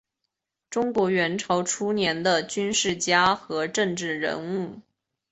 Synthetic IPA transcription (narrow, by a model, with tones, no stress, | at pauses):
ʈ͡ʂʊ˥ŋkwɔ˧˥ɥɛ˧˥nʈ͡ʂʰo˧˥ʊʈ͡ʂʰu˥njɛ˧˥nd̪ə˧t͡ɕy˥nʂɻ̩˥˩t͡ɕja˥xɤ˧˥ʈ͡ʂɤ˥˧ŋʈ͡ʂɻ̩˥˩ɻə̰˧˥nu˥˩